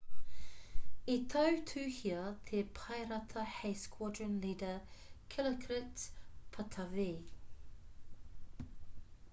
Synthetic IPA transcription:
it̪ʰəʉt̪ʰʉːhiət̪ʰepʰaɪɾɐt̪ʰɐheɪskʰwɔdɹənliːdəkʰɪləkʰɾɪtpʰɐt̪ʰɐveː

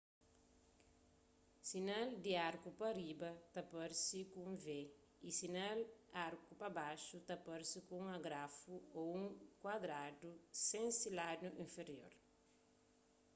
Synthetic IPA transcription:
sinald̪iaɾkupɐɾibɐt̪ɐpɐɾsikũŋve | isinalaɾkupɐbaʃut̪ɐpɔɾsikũŋaɡɾafuoũŋkwad̪ɾad̪usẽŋsiladuʔĩnfeɾjo̰ɾ

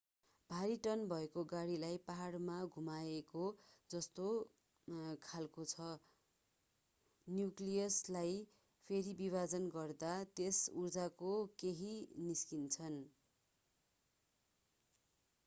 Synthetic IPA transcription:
b̥ʱaɾiʈʌnbʱʌekoɡaɽilajpaɦaɽmaɡʱumaekod͡zʌst̪o | kʰalkot͡sʰʌ | njuklijʌslaj | pʰeɾibiβad͡zʌnɡʌrd̪at̪esurd͡zakokeɦiniskint͡sʰʌn

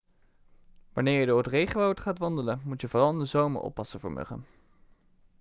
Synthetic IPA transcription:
ʋɑnɪːɹjədʊːɹrətrejχəʋowtχaːtʋɑndələmutjəvorɑlˠndəzowmə̰ɹɔ̰pːɑsəvo̰ːɹmɵ̰χə̰n

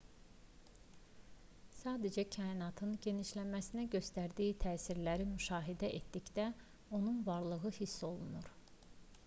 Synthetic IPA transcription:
sɑːd̪æd͡ʒæcʰɑːinɑt̪ʰɯnɟe̞niʃlæmæsinæɟø̞st̪æɾd̪iːit̪ʰæːsiɾlæɾimyʃɑːɦid̪æʔet̪d̪içd̪æ | o̞nunvɑɾlˠɯɣɯhisːo̞lˠunuɾ

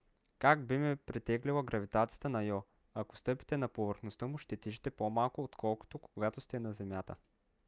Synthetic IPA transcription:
kaɡbimɛpɾit̪ɛɡlilˠɐɡɾɐvit̪at̪sijə̥t̪ənɐjɔ | ɐko̥st̪ɤpi̥t̪ɛnɐpovəɾxnost̪əmʊʃt̪ɛt̪iʒɛt̪ɛpomalˠkʊot̪kʰɔlˠko̥t̪okoɡat̪ost̪ɛnɐzɛmʲjat̪ə̰

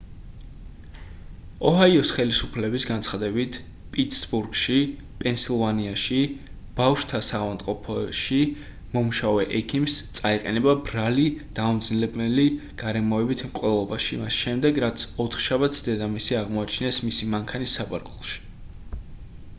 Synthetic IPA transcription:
ɔɦaiɔsχɛlisupʰlɛbisɡant̪sχad̪ɛbit̪ʰ | pʼit̪sbuɾɡʃi | pʼɛnsilˠvaniaʃi | b̥afʃt̪ʰasavamt̪ʼqʼɔpʰɔʃi | mɔmuʃavɛʔɛkʰimst̪sʼaiqʼɛnɛbabɾalid̪̥aɔmd̪znlɛbmɛliɡ̥aɾɛmɔɛbit̪ʰmqʼvɛlˠɔbaʃimasʃɛmd̪ɛɡɾat̪sʰɔt̪ʰχʃabat̪sʰd̪ɛd̪amisiaʁmɔat͡ʃʰnɛsmisimaŋkʰanisːaba̰ɾkʼulˠʃi̥

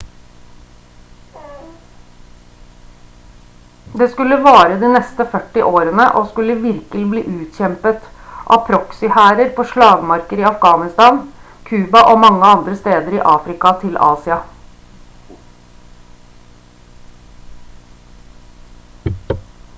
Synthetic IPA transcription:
d̪eːskʉlːəʋɑːɾəd̪iːnɛst̪əfœʈːɪʔoːɾənəʔoːskʉlːəʋɪɾkəlɪbliːʔʉːt̪çɛmpət̪ʔɑ̰pʰɾɔksɪhæːɾəɾpʰoːʂɭɑːɡmɑɾkəɾiːɑfɡɑːnɪst̪ɑːn | kʰʉːbɑʔoːmɑŋːəɑnd̪ɾəst̪eːd̪əɾḭːʔɑːfɾɪkɑt̪ʰɪlɑ̰ːsɪɑ

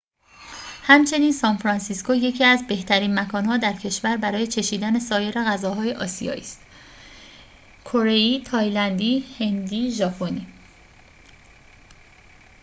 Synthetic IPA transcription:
hæmt͡ʃʰe̞niːnsɒːnfɾɒnsiskoje̞cʰiːæzbe̞ht̪ʰæɾiːnmækʰɒːnhɒːd̪æɾcʰe̞ʃvæɾbæɾɒːje̞t͡ʃʰe̞ʃiːd̪ænesɒːje̞ɾe̞ɣæzɒːɦɒːje̞ʔɒːsḭjɒ̰ːʔiːst̪ | kʰo̞ɾe̞iːt̪ʰɒːjlænd̪iːhe̞nd̪iːʒɒpʰoni

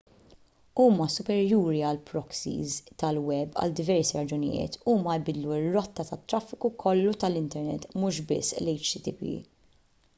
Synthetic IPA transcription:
uːmɐsʊpɛɾjuːɾiɐlpɾɔksḭzt̪ɐlwɛbːɐ̰ld̪ɪvɛɾsiɾɐd͡ʒʊnɪ̰jɪ̰ːt̪ʰuːmɐɪbɪd̪luɪrːɔt̪ːɐt̪ɐt̪ːɾɐfːɪkukʰɔlːut̪ɐlɪnt̪ɛɾnɛ̰t̪ːmʊʃbɪ̰sːlɛjt͡ʃt̪ɪt̪ipḭ

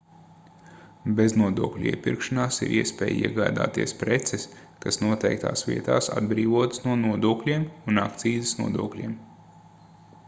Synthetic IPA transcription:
beznuɔd̪uɔklʲuḭɛpiɾkʃanaːsḭɾʔiɛspɛ̰ːjḭɛɡaːd̪a̰ːt̪iɛspɾet̪sɛs | kasnuɔt̪ɛjk̚t̪ʰa̰ːsʋʲiɛt̪aːsa̰d̪bɾiːvuɔt̪snuɔnuɔd̪uɔklʲiɛmuna̰kt̪siːzisnuɔd̪uɔklʲḭɛm

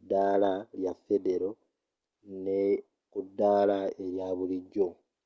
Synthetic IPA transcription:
dːaːlaljafe̞de̞ɾo̞ | ne | kudːaːlae̞ɾjaːβuliɟo

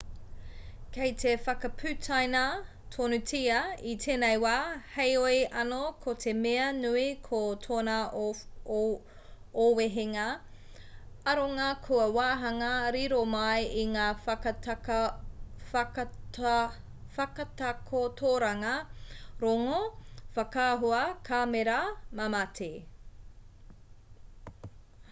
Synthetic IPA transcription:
kʰejtʰefɐkɐpʰʉtʰajnɐ | tʰonutʰiɐitʰeːnejwaːhejojʔɐnokʰot̪ʰemeɐnʉikʰot̪ʰoːnɐ | oweɦeŋɐ | ɐɾoŋakʰuɐwaːɦɐŋɐɾiɾomɐjiŋaː | fɐkɐtakʰotʰoːɾɐŋɐɾoŋofɐkaːɦuɐkʰameɾɐmamɐtʰe

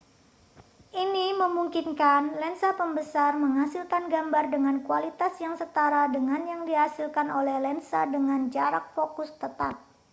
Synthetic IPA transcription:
ʔiniməmuŋkinkanlɛnsapəmbəsarməŋɦasilkanɡambardəŋankualit̪asjaŋsət̪aɾadəŋanjaŋdiɦasilkanolɛhlɛnsadəŋand͡ʒaɾak̚fokʊst̪ət̪ap̚

